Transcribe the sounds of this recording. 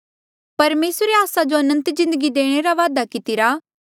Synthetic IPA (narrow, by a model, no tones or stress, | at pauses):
pɐɾmeːsɾeaːsad͡ʒoɐnə̃nt̪zɪ̃nd̪əɡid̪eːɽ̃eɾaʋaːd̪akɪt̪ɪɾaː